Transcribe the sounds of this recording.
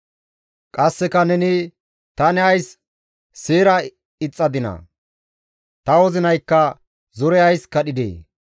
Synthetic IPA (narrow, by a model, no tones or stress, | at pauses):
kʼɐsːɛkɐnɛnɪ | t̪ɐnɛɐjsː | eːɾɐ | ɪt͡sʼːɐd̪ɪnɐ̰ | t̪ɐwɔzɪnɐjkːɐ | zɔɾɛɐjskɐɗɪd̪ḛː